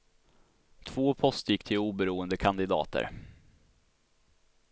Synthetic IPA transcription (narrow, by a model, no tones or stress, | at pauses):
t̪ʰv̥oːpʰɔst̪jɪkːt̪ʰɪluːbəɾuːənd̪əkʰand̪ɪd̪ɑ̰ːt̪ə̰ɾ